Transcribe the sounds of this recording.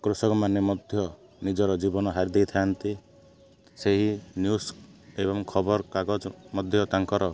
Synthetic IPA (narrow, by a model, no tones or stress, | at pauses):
kɾusɔkɔmanemɔd̪ʱjɔ | nid͡ʒɔɾɔd͡ʒibɔnɔɦaɾid̪ejt̪ʰaant̪i | seɦinjusebɔmkʰɔbɔɾkaɡɔd͡ʒɔmɔd̪ʱjɔt̪aŋkɔɾɔ